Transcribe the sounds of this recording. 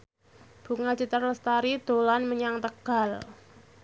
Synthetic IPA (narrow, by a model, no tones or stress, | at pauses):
b̥ṳŋḁd͡ʒit̪ərləst̪aɾid̪̥o̤lanməɲaŋt̪əɡ̥a̤l